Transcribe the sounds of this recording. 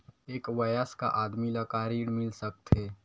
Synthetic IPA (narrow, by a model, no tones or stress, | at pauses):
eːkʋajəska̰ʔaːd̪miləkaːɾiːɽmɪlsək̚t̪eː